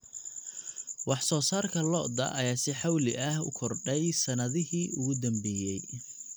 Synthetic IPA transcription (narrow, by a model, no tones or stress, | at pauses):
wɑħsɔːsaːrkʰɐlɔ̰ːʔd̪ɐ̰ʔɐ̰jaːsɪħɑwlɪʔɐɦʊ̰kʰɔrɖɛjsɐnɐðɪɦiːʔʊɣʊd̪ɐmbɛːjɛj